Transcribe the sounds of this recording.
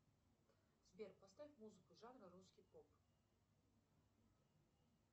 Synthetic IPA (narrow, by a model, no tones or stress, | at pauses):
zbʲerpɐst̪avʲifmuzɨkʊʐanɾɨɾuskʲijpop